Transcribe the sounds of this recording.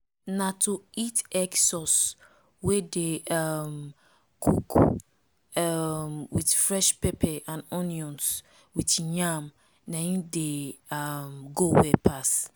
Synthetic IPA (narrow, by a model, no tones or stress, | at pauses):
nãtʰoitɛksɔs | wedeam | kʰṵk | amwitfɾɛʃpɛpʰɛʔãnɔ̃njɔ̃ns | witɲãm | nãĩdeamɡowɛpʰas